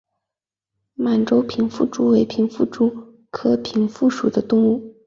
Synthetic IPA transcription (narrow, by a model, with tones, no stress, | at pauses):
ma˨˩nʈ͡ʂo˥ʊpʰi˧˥nfu˥˩ʈ͡ʂu˥we˧˥ɪpʰi˧˥nfu˥˩ʈ͡ʂu˥ | kʰɤ˥pʰi˧˥nfu˥˩ʂu˨˩d̪ə˦t̪ʊ˥˧ŋu˥˩